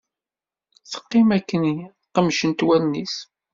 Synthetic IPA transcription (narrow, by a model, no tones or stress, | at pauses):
θə̥qːɪmækːəni | qəmʃənt̪wælnis